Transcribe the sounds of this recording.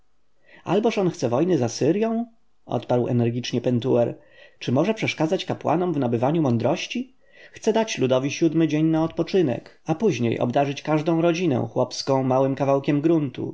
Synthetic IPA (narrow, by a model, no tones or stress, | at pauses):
a̰lbɔʂɔnxt̪sɛvɔjnɘzasɘɾjɔ̃w̃ | ɔ̰t̪paɾwɛ̰nɛɾɡʲit͡ʂɲɛpɛnt̪uɛɾ | t͡ʂɘmɔʐɛpʂɛʂkad̪zat͡ɕkapwa̰nɔmvnabɘvaɲumɔnd̪ɾɔɕt͡ɕi | xt̪sɛd̪at͡ɕlud̪ɔvʲiɕud̪mɘd͡ʑeɲnaɔt̪pɔt͡ʂɘnɛ̰k | apuʑɲḛjɔ̰bd̪aʐɘt͡ɕkaʐd̪ɔ̃w̃ɾɔd͡ʑinɛ̰̃w̃xwɔpskɔ̃w̃mawɘmkavawkʲɛmɡɾunt̪ṵ